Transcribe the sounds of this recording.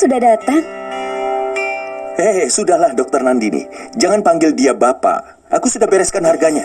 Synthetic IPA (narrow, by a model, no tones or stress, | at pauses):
sudahdat̪aŋ | ɛsudahlahdɔk̚t̪ərnandinɪ̰hd͡ʒaŋanpaŋɡɪldiabapa̰ | ʔakusudahbɛɾɛskanharɡaɲa